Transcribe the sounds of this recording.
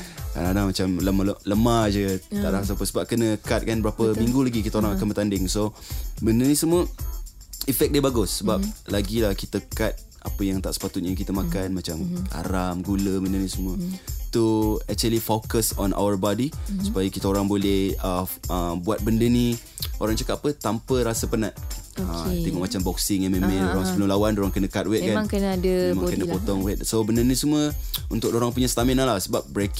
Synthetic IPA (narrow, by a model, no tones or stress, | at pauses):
ka̰lanamat͡ʃamləmaləmad͡ʒət̪a̰ʔlasapəsəbap̚kənə̃kat̪̚kanbəɾapəmiŋɡulaɡikit̪əoɾaŋakanbərt̪andɪŋsobəndənĩsəmuə | ifɛk̚debaɡʊsːəbap̚laɡilahkit̪əkat̪̚ | ʔa̰pəjaŋt̪a̰ʔsə̥pat̪ʊt̪̚ɲakit̪əmãkanmat͡ʃamha̰ɾamɡuləbəndənisəmuət̪uɛk̚t͡ʃuəlifokəsɔ̰nʔa̰wərbadisupajəkit̪əoɾaŋbolɛhəəmbuat̪̚bəndəni | ʔoɾaŋt͡ʃakatapət̪ampəɾasəpənat̪̚ət̪ɛŋɔʔmat͡ʃambɔk̚sɪŋamemɛ̃ndoɾaŋsəbəlʊmlawandoɾaŋkənə̃kat̪̚wɛt̪̚kanãŋkənəadəmãŋkənəpot̪ɔŋwɛt̪sobəndənĩsəmuə | ṵnt̪ʊk̚doɾaŋpuɲasət̪amɛnalasəbap̚bɾek